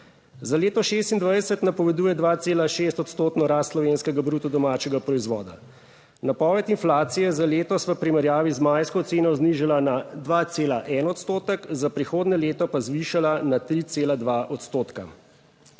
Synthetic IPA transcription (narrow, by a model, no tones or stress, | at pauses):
zaleːt̪ɔʃes̬t̪ind̪ʋajɛsɛt̪napɔʋɛd̪uːjɛd̪ʋaːt̪seːlaʃeːst̪ɔt̪st̪oːt̪nɔɾaːst̪slɔʋeːnskɛɡabɾuːt̪ɔd̪ɔmaːt͡ʃɛɡapɾɔizʋɔːd̪a̰ | napɔʋɛt̪inflaːt̪sijɛzaleːt̪ɔsʋəpɾimɛɾjaːʋizmajskɔt̪seːnɔzniʒalanad̪ʋat̪seːlaʔɛnɔt̪st̪oːt̪əkzapɾixoːd̪nɛleːt̪ɔpazʋiʃalanat̪ɾit̪seːlad̪ʋaʔɔt̪st̪oːt̪ka̰